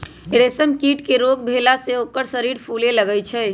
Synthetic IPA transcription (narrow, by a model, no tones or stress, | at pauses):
eɽesəmkiʈkeɾoɡbʱelaseokəɾsəɾiɾpʰuleləɡɛt͡ʃʰɛ